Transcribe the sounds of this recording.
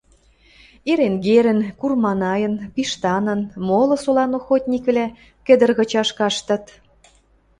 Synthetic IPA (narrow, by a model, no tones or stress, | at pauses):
eɾenɣeɾə̆nkurmɑnɑjə̆npiʃt̪ɑnə̆nmolɤ̆solɑnoxot̪ʲnʲikβlæ | kɘ̆d̪ə̆rɣɤ̆t͡ɕɑʃkɑʃt̪ɤ̆t̪